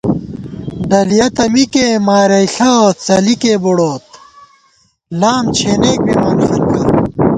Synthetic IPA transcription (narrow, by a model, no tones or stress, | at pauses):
ɖɐlijɐt̪ɐmikemaːɾɐjɬɐot͡sɐlikeboɽoːt̪ | laːmt͡ɕʰeːneːk̚bimɐnfuɾkɐ